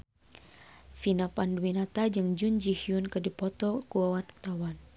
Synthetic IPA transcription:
finapanduwinat̪ad͡ʒɨŋd͡ʒund͡ʒihiunkɨdipɔt̪ɔkuawat̪t̪awan

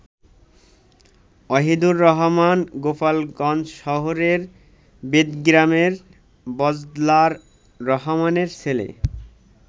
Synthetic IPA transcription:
ɔɦid̪uɾːɔɦmanɡopalɡɔnd͡ʑʃɔɦoɾeɾ | bed̪ɡɾameɾ | bɔd͡ʑd̪laɾː | ɔɦomaneɾt͡ɕʰelḛ

